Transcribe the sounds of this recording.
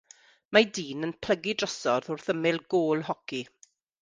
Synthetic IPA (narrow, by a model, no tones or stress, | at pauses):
madiːnənpʰl̥əɡidrəsɔrðʊrθəmɪlˠɡoːlˠɦɔki